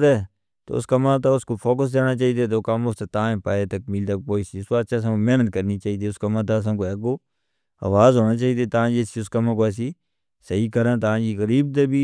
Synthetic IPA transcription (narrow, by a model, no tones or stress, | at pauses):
ɛː | t̪o̰ːʊ̰skamãːt̪aːʊskoːpʰoːkəs̬d̪eːnaːt͡ʃaːiːd̪eːt̪̬oːkamʊft̪et̪aːẽːpaːeːt̪ək̚mɪld̪ək̚poːisiːʊsaːt͡ʃaːs̬ãkomɛːnət̪̚kəɾniːt͡ʃaːiːd̪eːʊskəmãːt̪̬aːs̬ãːkoeːkoː | a̰ːʋaːzɦoːnaːt͡ʃaːiːd̪eːt̪əãːd͡ʒiːsiːʊskəmãkoɛːs̬iː | səɦiːkəɾãːt̪əãːd͡ʒiːɣəɾiːbt̪eːbiː